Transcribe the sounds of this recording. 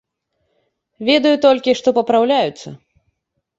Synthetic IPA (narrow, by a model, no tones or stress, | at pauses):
vʲɛd̪ɐjut̪ɔlʲkʲiʂt̪ɔpɐpɾawlʲajut̪sːɐ̰